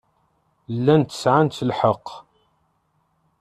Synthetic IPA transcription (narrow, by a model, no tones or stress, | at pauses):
lːænt̪ə̥sʕant̪əlħəqː